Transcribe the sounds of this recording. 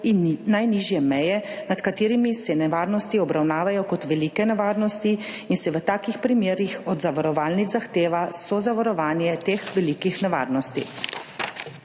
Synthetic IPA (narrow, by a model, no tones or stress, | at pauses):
inːajniʒjɛmɛjɛnat̪kat̪eːɾimisɛnɛʋaːɾnɔst̪iɔbɾawnaːʋajɔkɔt̪ʋɛliːkɛnɛʋaːɾnɔst̪i | insɛʋət̪aːkixpɾimjeːɾixɔd̪zaʋaɾɔʋaːlnid̪zaxt̪eːʋasɔzaʋaɾɔʋaːnjɛt̪eːxʋɛliːkixnɛʋa̰ːɾnɔst̪ḭ